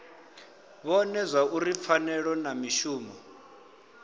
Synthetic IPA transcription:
βɔnɛzʷauɾip̪fanɛɺɔnamiʃuːmɔ

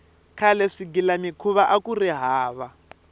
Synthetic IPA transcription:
kʰalɛʂiɡilanikʰuβaʔakuriɦaːβa

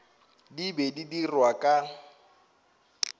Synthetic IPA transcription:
dibedidirwakʼa

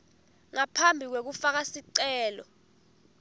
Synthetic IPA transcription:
ŋapʰambʱik̬wek̬ufak̬asiǀɛːlɔ̰

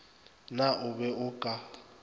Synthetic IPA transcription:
naʊβɛʊkʼa

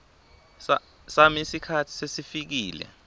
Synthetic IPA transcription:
sa | samisikʰatʰi̥sesifik̬iːlɛ̰

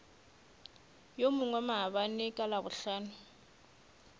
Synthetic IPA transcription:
jomuŋwamaɦaβanikʼalaβuɬaːnʊ

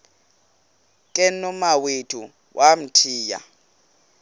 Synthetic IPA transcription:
kʼɛnɔmawetʰu | wʔam̩tʰiːja̰

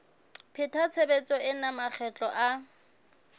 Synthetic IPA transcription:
pʰɪtʰat͡sʰebet͡sʼɔɪnamak͡xʰɛt͡ɬʼɔʔa

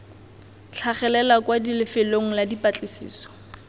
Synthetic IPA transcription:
t͡ɬʰaχɛlɛlakwadilɪfɪloŋ̩ladipat͡ɬʼɪsḭːsɔ̥

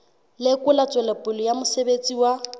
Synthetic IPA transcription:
lɪkʼʊlat͡sʼwɛlapʼʊlɔjamʊsebet͡sʼiwa

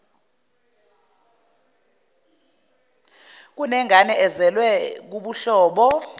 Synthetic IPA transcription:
k̬unɛŋʱanɛɛzɛlwɛk̬uɓuɬɔːɓɔ

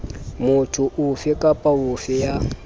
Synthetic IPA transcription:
mʊtʰʊʔufɛkʼapʼaufɛja

